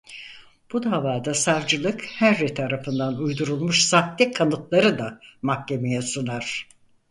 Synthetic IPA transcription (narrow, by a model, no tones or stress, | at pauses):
b̥ud̪aːvaːd̪asavd͡ʒɯlˠɯkhæɾːɛt̪ʰaɾafɯnd̪anujd̪uɾulˠmuʃsaht̪lʲikʰanɯt̪lˠaɾɯd̪amakce̞mejɛsunaɾ̥